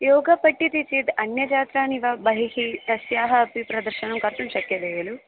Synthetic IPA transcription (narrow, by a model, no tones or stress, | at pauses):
joːɡɐpɐʈːit̪it͡ʃid̪ɐnjɐd͡ʒaːt̪ɾaːniʋabɐɦiɦit̪ɐsjaːɦɐːpipɾɐd̪ɐɾʃɐnɐmkɐɾt̪ɐmʃɐkjɐʋɛːjɐlu